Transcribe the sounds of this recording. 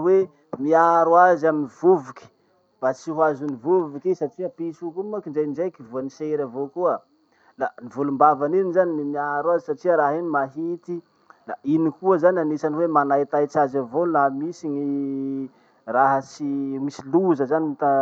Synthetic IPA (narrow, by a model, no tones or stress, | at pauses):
we | miaɾwazaminivuvuki̥ | b̥at͡siɦuazunivuvukisat͡ʃiəpisukumakinɖ͡ʐejnd͡ʒejkivuaniseɾavokuə | lanivulumbavaninizanimiaɾwazisat͡ʃiəɾaɦinimaɦit̪i | lainikuəzananesaniwemanait̪ajt͡ʃazavolamisiɲi | raɦət͡simisiluzəzanit̪a